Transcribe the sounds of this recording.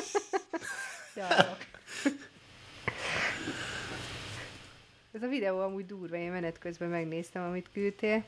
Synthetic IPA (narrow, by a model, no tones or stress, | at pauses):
jɒ | ɛzɒvid̪ɛoːɒmuːɟd̪uːrʋɒeːnmɛnɛt̪køzbɛmɛɡneːst̪ɛmɒmit̪kylt̪eːl